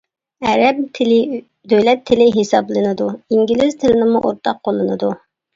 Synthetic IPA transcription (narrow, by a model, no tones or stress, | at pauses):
ɛɾɛp̚ʰɪ | d̪øjlɛt̪ʰːɪlɪɦesɑblˠɨnɨd̪uiŋɡʲilɪz̥t̪ʰɪlɪnɪmuʔoɾt̪ʰɑqʰːolˠːɨnɨd̪u